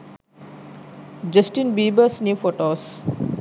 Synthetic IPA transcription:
d͡ʒəsʈinbiːbəsnjufoʈoːs

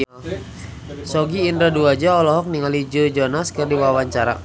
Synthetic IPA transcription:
sɔɡiːndɾaduad͡ʒaɔlɔɦɔk̚niŋalid͡ʒəd͡ʒɔnaskərdiwawaɲt͡ʃaɾa̰

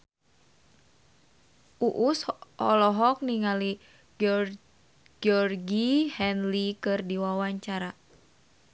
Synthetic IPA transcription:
ʔuʔusɔlɔɦɔk̚niŋali | ɡɔrɡihɛnlikɨrdiwawaɲt͡ʃaɾa

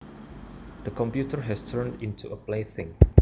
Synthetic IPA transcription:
d̪̥əkɔ̃mpjutəɹɦɛstʰəɹndĩntuəpleθɪ̃ŋ

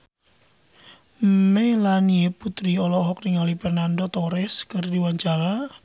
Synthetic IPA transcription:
melanieput̪ɾiɔlɔɦɔk̚niŋalipɛrnandɔt̪ɔɾɛskərdiwaɲt͡ʃaɾa

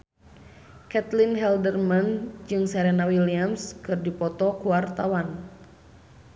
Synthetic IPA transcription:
kɛt̪linɦɛldərmand͡ʒɨŋsɛɾɛnawiliamskɨrdipɔt̪ɔkuwart̪awan

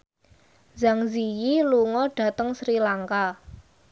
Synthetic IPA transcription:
zaŋzijiluŋɔɖ̥ä̤t̪əŋsɾilaŋka

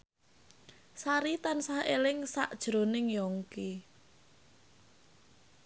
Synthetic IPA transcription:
saɾit̪ansahelɪŋsaʔd̥ʒ̥ɾo̤nɪŋjɔŋke

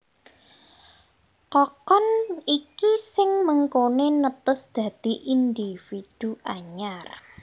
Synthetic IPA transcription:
kɔkɔnikisɪŋməŋkonenət̪əsd̪̥ä̤d̪̥i̤ʔind̪ifid̪̥ṳʔaɲar

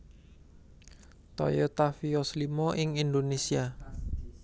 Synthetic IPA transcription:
t̪ɔ̰jot̪afiɔslimɔʔɪŋind̪onesia

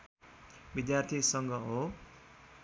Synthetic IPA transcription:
bid̪jart̪ʰisʌŋɡʌɦo

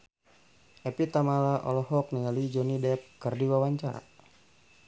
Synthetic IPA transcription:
ʔɛpit̪amalaʔɔ̰lɔɦɔk̚niŋalid͡ʒɔnidɛp̚kərdiwawaɲt͡ʃaɾa̰

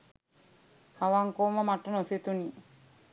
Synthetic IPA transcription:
haʋaŋkoːməmaʈːənosit̪uni

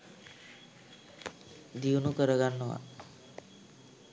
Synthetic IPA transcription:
d̪iunukəɾəɡanːɔa̰

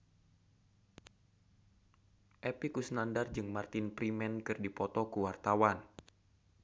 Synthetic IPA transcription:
ʔɛpikusnandard͡ʒɨŋmart̪ɪnpɾimɛnkɨrdipɔt̪ɔkuwart̪awan

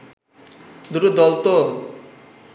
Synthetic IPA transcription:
d̪uɾud̪ɔlt̪o

